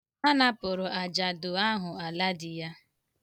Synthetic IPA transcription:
a˦na˦pʊ˨ɾʊ˨a˨d͡ʒa˨dʊ˨a˦ɦʊ˨a˨la˦dɪ˨ja˦

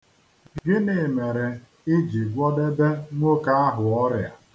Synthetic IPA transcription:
ɡɪ˦ne˨me˨ɾe˨ | ɪ˦d͡ʒi˨ɡʷɔ˦de˦be˦ŋʷo˦ka˦a˦ɦʊ˨ɔ˦ɾja˨

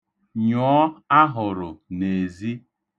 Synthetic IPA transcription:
ɲɔː˨˦a˦ɦʊ˨ɾʊ˨ne˨zi˦

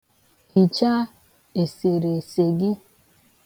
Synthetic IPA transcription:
hi˨t͡ʃa˦ | e˨se˨ɾe˨se˨ɡɪ˦

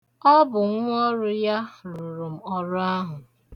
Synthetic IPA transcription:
ɔ˦bʊ˨ŋ˦ɔ˦ɾʊ˦ja˦ɾu˨ɾu˨m̩˨ɔ˦ɾʊ˦a˦ɦʊ˨

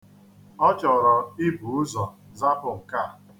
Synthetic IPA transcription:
ɔ˦t͡ʃɔ˨ɾɔ˨ɪ˦bu˨ʊ˦zɔ˨za˦pʊ˨ŋ̩˨ka˦˨

